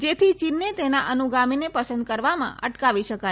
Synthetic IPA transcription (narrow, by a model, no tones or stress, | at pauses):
d͡ʒet̪ʰit͡ʃinːet̪enaʔənuɡaminepəsənd̪̚kəɾʋamã̰ə̰ʈkaʋiʃəka